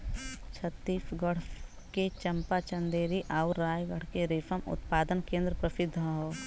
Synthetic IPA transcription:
t͡ʃʰɐt̪ːiːfɡəɽ̤ | ket͡ʃɐmpat͡ʃɐ̃nd̪eːɾiʔaʊɾɾaːjɡəɽ̤keɾɪfəmʊ̰t̪paːd̪ənkẽːnd̪ɾəpɾɐsɪd̪ʱːəɦoː

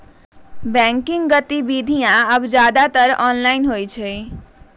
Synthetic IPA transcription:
bɛ̃ŋkiŋɡɡət̪ibid̪ʱijãəbd͡ʒad̪at̪əɾɔnlainɦojt͡ʃʰəj

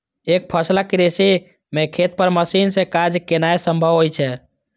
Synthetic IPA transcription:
ek̚pʰəslakɾesi | mẽkʰet̪̚pəɾməsinsẽkad͡ʒkenaesəmbʱəʋɦojt͡ʃʰɛ

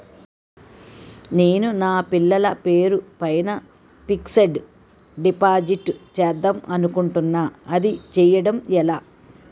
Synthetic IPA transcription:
ne̞ːnunaːpilːɐlɐpe̞ːɾupɐjnɐ | piksɐɖ | ɖipaːd͡ʒiʈt͡ʃɛd̪ːɐmɐnukuɳʈunːaːɐd̪it͡ʃɛjɐɽɐmɛlaː

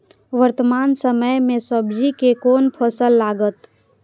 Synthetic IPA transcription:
ʋəɾt̪əmansəməjmẽsəbd͡ʒikekoːnpʰəsəlːaːɡət̪

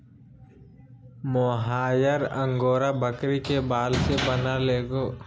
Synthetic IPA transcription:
moɦaːjəɾə̃ŋɡoːɾabəkɾikebaːlsebənaleːɡoː

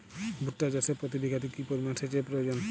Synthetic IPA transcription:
bʱuʈːad͡ʑasepɾot̪ibiɡʱat̪ikipoɾimanʃet͡ɕepɾojod͡ʑon

